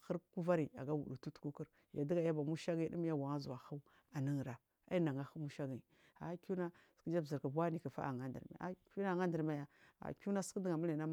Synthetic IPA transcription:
xə˦ɾku˦va˦ɾi˨a̰˨ɡa˦wṵ˨ɗu˨tu˦tku˦ku˦ɾ | ja̰˨di˦ɡa˨ja˦ba˨mu˦ʃa˦ɡi˦ɗḭ˦m˦ja˦wa˨ŋa˦zu˨a˨xa˦u˦ | a˨ni˦ŋ˨ɾa˨ | a̰˦i˦na˨ŋa˨xu˦mu˦ʃa˦ɡi˨ | a˨˦ku˦na˦ski˦d͡ʒa˦bzi˨ɾka˨bʷa˦ni˨ka˨fa̰˦ʔa̰˨ŋa˦ndḭ˨ɾma̰˨a̰˦ku˦na˦˨ŋa˦ndə˨ɾma˦ja˦a̰˨ku˦na˦skdi˦ɡa˨mu˦la˨na˦

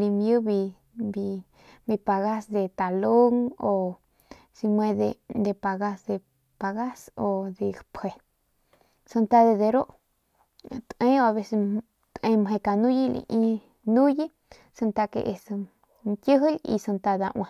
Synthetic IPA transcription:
li˧mju˦βi˧ | bi˧ | bi˧pa˨ɣa˦sd̪e˧t̪a˨lo˦ŋo˨ | si˧mwẽ˧d̪e˧d̪e˧pa˧ɣa˧sd̪e˧ | pa˧ɣa˦so˧d̪e˧pʰe˧ | sɨ˧nt̪a˧ðe˧d̪e˧ɾo˦ʔ | t̪ẽ˧˦o˧a˧βe˧se˧ | t̪ẽ˧mɦẽ˧ka˧nũ˦ji˦lḭ˧ʔĩ˧ | nũ˦ji˦ | sɨ˧nt̪a˧kḛ˧ʔe˧sɨ˧ | nkʲjɨ˦ɦi˦lḭ˧sɨ˧nt̪a˧d̪a˧ʔw̰̃ʷã˧

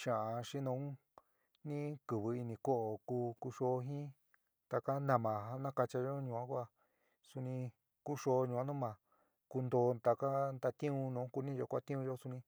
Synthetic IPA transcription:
ʃã˨a˧ʃi˦nõ˧˦ũ˦ | nĩ˦kɨ˨βɨ˧i˧nĩ˧ko˦ʔo˨ku˧ku˧ʃo˧˦˧ɦĩ˦ | t̪a˧ka˦nã˧˨mã˨a˧nã˦ka˧t͡ʃa˧ʒo˦ɲũ˨ã˦kʷa˧ | su˧nĩ˧ | ku˦ʃo˧˦˧ɲũ˨ã˦nũ˦mã˨ | ku˧nd̪o˧t̪a˧ka˦nd̪a˧t̪ĩ˦ũ˧nõ˧˦ku˧nĩ˦˧ʒo˧kʷa˦t̪ĩ˦ũ˧ʒo˦su˧nĩ˧

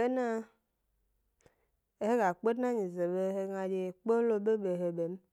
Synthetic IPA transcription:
e˦na˦˨ | he˦ɡa˨k͡pe˦dna˦ɲi˨ze˨be˦ɦe˦ŋa˨d͡ʒe˨k͡po˦lo˦be˦be˨ɦe˨be˨m˦

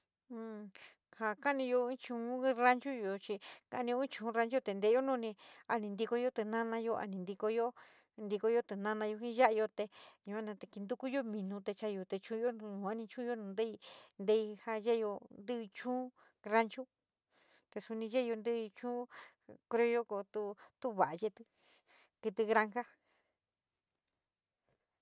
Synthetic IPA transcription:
ha˨ka˦nĩ˧jo˧ĩ˦t͡ʃũ˧˦ɾa˦nt͡ʃu˦jo˨t͡ʃi˧ka˧˦nĩ˧o˧˦ĩ˦t͡ʃũ˧˦ɾa˧nt͡ʃu˦t̪e˨nd̪e˧˦jo˦nũ˦˧nĩ˧a˧nĩ˧nd̪i˧ko˧jo˦t̪e˧nã˦nã˧jo˧a̰˧nĩ˧nd̪i˧ko˧jo˦ | nd̪i˧ko˧jo˦t̪e˨nã˦nã˧jo˧ɦĩ˦ʒa˦ʔjo˧t̪e˧ɲũ˧a˦nã˧t̪e˧ki˧nd̪u˦ku˦jo˦mĩ˧nũ˧t̪e˧t͡ʃa˧jo˨˧t̪e˧t͡ʃũ˦jõ˦˧nũː˨a˦nĩ˧t͡ʃũ˦jo˦nũ˧nd̪e˦i˧nd̪e˧i˧ha˧ʒe˦jo˧nd̪ɨ˦˧t͡ʃũː˦ | ɾa˧nt͡ʃu˦ | t̪e˧su˧nĩ˧ʒe˦˧jo˧nd̪ɨ˦˧t͡ʃũː˦ | kɾe˧o˧˦jo˦ko˨t̪u˧˦t̪u˦βa˨ʔa˧je˧t̪ɨ˧ | ki˧t̪ɨ˧ɣɾa˧ŋka˦

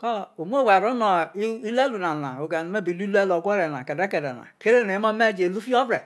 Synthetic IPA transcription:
kɔ˦o˨m˦o˦˨wa˨ɾo˦nɔ˨i˦i˦le˦lu˨na˨na̰˨o˨ɡa˨n˨me˦bi˨lu˦lu˦e˦lo˨ɡʷɔ˦ɾe˨na̰˨ke˨de˦ke˨dɛ̰˨na̰˨ke˦ɾe˦ne˨˦mo˦me˦˨d͡ʒe˨lu˦fi˦ɔ˦bɾe˨

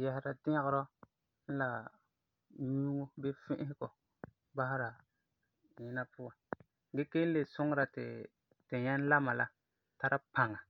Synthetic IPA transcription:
jɛ˨hɪ˦ɾa˨dɪ˦ɣɾɔ˦ | n̩˦la˨ | ɲuː˦ŋo˦be˦fɪ̃˦ʔɪ˦hɪ˦ɡɔ˨ | ba˦ɦɪ˦ɾa˨ | ɲɪ˦na˦pʊ˦a˨ | ɡɛ˦ke˦n̩˦le˨sʊ˦ŋ˦ɾa˨tɪ̰˨ | tɪ˨ɲɛ˦n˦la˦ma˨la˦ | ta˦ɾa˦pa˨ŋa˨

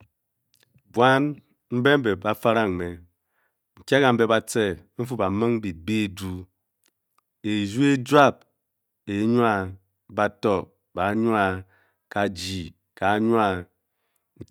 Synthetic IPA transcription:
bwa˦n | m̩˦be˦m̩˦be˨ba˨fa˦ɾa˦ŋ˨me˨ | ŋ̩˨kʲa˦ka˨m̩˦be˦ba˨t͡se˦m̩˦fu˦ba˨mɨ˦ŋ˦bi˨t̚be˦˨du˦ | e˨zu˦e˦d͡ʒwa˦˨p̚ | e˨˦ɲu˦a˦ | ba˨tɔ˦ | ba˨˦ɲu˦a˨ | ka˨d͡ʒi˨ | ka˨˦ɲu˦a˦˨˦

